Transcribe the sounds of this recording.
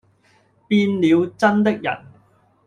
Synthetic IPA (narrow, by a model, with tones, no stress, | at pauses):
piː˧nliː˨˧wt͡sɐ˥nt̪ɪ˥k̚jɐ̰˨˩n